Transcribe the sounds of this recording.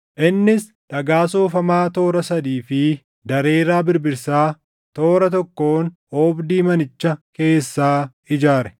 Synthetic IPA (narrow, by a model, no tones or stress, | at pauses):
ʔɪnːɪs | ᶑɐɡaːsoːfɐmaːt̪o̞ːɾɐsɐd̪iːfɪ | d̪ɐɾe̞ːɾaːbɪɾbɪɾsaː | t̪o̞ːɾɐt̪ɔkːo̞ːn | oːbd̪iːmɐnɪt͡ʃːɐke̞ːsːaː | ɪd͡ʒaːɾɛ̥